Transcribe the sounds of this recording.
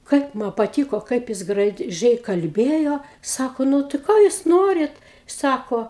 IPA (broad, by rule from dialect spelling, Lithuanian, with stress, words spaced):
ˈkɐɪp mɐ pɐˈtʲiːkoː ˈkɐɪp jɪs ɡrɐˈʒʲɛɪ kɐlʲˈbʲeːjoː ˈsɑːkoː ˈnʊ tɐɪ ˈkoː juːs ˈnoːrʲɪt ˈsɑːkoː